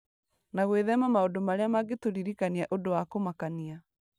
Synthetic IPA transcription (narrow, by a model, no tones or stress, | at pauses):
naɣweðɛmamaodomaɾeamaɡetoɾiɾikaniaʔodowakomakania